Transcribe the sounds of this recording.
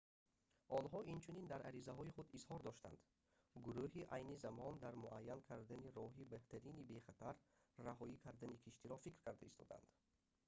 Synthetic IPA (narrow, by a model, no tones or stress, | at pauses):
ʔɔnɦɔʔint͡ʃʰunind̪aɾʔæ̰ɾizæɦɔiχud̪izhɔɾd̪ɔʃt̪a̰nd̪ | ɡuɾuɦiʔajnizamɔnd̪aɾmuʔajːankʰaɾd̪æniɾɔɦibæht̪ʰæɾinibeχat̪ʰaɾːaɦɔikʰaɾd̪ænikʰiʃt̪iɾɔfikɾkæɾd̪æist̪ʰɔ̰d̪a̰nd̪̥